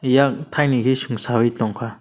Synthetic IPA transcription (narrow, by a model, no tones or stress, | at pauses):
jak̚t̪ʰajniɡisɯŋsaβit̪ɔŋkʰa